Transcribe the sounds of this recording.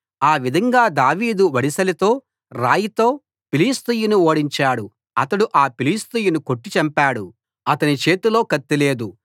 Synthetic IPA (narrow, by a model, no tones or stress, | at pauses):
aːʋid̪ʱɐŋɡaːd̪aːʋiːd̪uʋɐɽisɐlit̪o̞ː | ɾaːjit̪o̞ː | piliːst̪ujinuoːɽiɲt͡ʃaːɽu | ɐt̪ɐɽuʔaːpiliːst̪ujunuko̞ʈːit͡ʃɐmpaːɽu | ɐt̪ɐnit͡ʃe̞ːt̪ulo̞ːkɐt̪ːile̞ːd̪u